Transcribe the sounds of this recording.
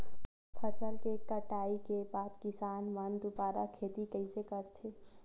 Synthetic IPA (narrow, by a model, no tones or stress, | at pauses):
pʰət͡ʃəlkekəʈaːikebaːd̪kɪsaːnmənd̪ubaːɾakʰeːd̪ikəisekəɾt̪ʰeː